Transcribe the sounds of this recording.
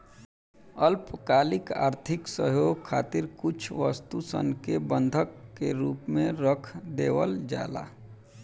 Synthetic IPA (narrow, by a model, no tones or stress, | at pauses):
əlpkaːlɪka̰ːɾt̪ʰɪksəɦjoːɡ̚kʰːa̰ːt̪iɾkʊt͡ʃʰʋəst̪usə̰nkebə̃nd̪ʱəkːeɾuːpmẽɾəkʰd̪eːʋəld͡ʒa̰ːla̰ː